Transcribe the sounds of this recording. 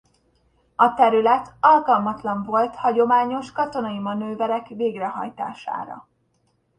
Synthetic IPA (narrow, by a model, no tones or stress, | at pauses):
ɒt̪ɛɾylɛt̪ɒlkɒlmɒt̪lɒɱvo̞lt̪hɒɟo̞maːɲo̞ʃkɒt̪o̞nɒimɒnøːvɛɾɛkveːɡrɛɦɒ̰jt̪a̰ːʃa̰ːɾɒ̰